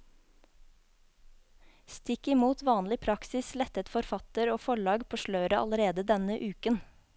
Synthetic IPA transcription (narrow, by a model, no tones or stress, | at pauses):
st̪ɪkɪmuːt̪ʋɑːnlɪpʰɾɑksɪslɛt̪ət̪fɔɾfɑt̪əɾoːfɔɭɑːɡpʰoːʃlœːɾəʔɑ̰ləɾeːd̪əd̪ɛnəʔʉːkən